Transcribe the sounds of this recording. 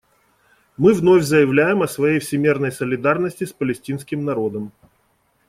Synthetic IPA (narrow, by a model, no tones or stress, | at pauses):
mɨvno̞fʲzəjɪvlʲæjɪmɐsvɐjejfsʲɪmʲirnəjsəlʲɪd̪arnəsʲtʲɪspəlʲɪsʲtʲinskʲɪmnɐɾo̞d̪əm